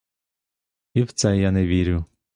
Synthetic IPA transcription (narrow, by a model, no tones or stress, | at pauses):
iwt̪sɛjanɛʋʲiɾʲʊ